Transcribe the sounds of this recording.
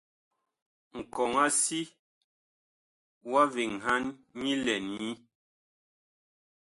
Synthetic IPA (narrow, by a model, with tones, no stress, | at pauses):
ŋ̩˨kɔ˨ŋa˦si˦ | wa˦vi˨ŋɦa˦nɲi˦lɛ˨nɲi˦